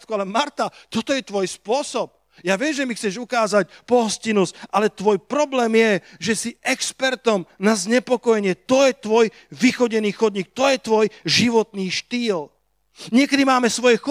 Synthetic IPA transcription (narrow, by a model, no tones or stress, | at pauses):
t̪kualɛmaɾt̪at̪ɔt̪ɔjɛt̪ʋɔjspʊɔsɔp̚ | jaːʋɪɛʒɛmixt͡sɛʒukaːzacpɔɦɔscinusʔalɛt̪ʋɔjpɾɔblɛːmjɛʒɛsiɛkspɛɾt̪ɔmnazɲɛpɔkɔjɛɲɪɛt̪ɔjɛt̪ʋɔj | ʋixɔɟɛniːxɔd̪ɲiːk̚t̪ɔjɛt̪ʋɔjʒiʋɔt̪niːʃt̪iːl | ɲɪɛkɛd̪imaːmɛsʋɔjɛxɔ